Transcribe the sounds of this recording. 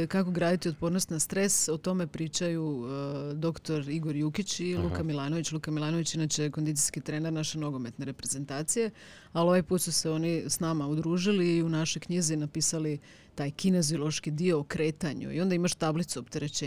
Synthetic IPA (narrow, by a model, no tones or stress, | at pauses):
kako̞ɡɾaːd̪it̪io̞t̪̚po̞ːɾnost̪nast̪ɾe̞sot̪o̞me̞pɾiːt͡ʃaju | d̪o̞kt̪o̞ɾiɡo̞ɾjukit͡ɕilˠukamilˠaːno̞ʋit͡ɕlˠukamilˠaːnoʋit͡ɕinat͡ɕeko̞nd̪it̪ijskit̪ɾeːneɾnaʃeno̞ɡo̞me̞t̪ne̞ɾe̞pɾeze̞nt̪aːt̪sije̞ | alo̞ʋajpuːt̪suseo̞nisnamaud̪ɾuːʒiliːunaʃo̞jkɲizinapiːsali | t̪aːjkine̞ziolˠo̞ʃkid̪ioːkɾe̞ːt̪aɲṵḭo̞nd̪aimaʃt̪ablit̪suopt̪e̞ɾet͡ɕe